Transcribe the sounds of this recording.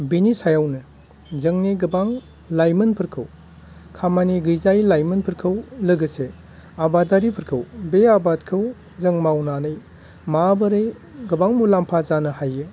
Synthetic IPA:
binisajawnɯ | zɯŋniɡɯbaŋ | lajmɯnpʰɯɾkʰɯw | kʰamaniɡɯjzajlajmɯnpʰɯɾkʰɯwlɯɡɯse | abataɾipʰɯɾkʰɯwbeabatkʰɯw | zɯŋmawnanɯj | mabɯɾej | ɡɯbaŋmulampʰazanɯhajɯ

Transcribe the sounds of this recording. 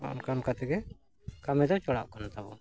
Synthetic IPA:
ɔ̰nkamkat̪ɛɡɛ | kamɛd̪ɔt͡ʃɔɽa̰ʔkanat̪abɔ

